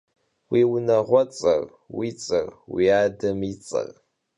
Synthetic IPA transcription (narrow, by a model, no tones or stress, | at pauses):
wiːwʊnɐʁʷɔt͡sʼɐ̰r | wit͡sʼɐ̰rwiaːdɐmit͡sʼɐ̰r